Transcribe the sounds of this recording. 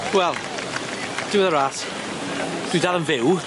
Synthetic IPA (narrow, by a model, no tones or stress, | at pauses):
wɛlˠ | d̥ɪwðəɾaːt | d̥widalˠə̃nvɪw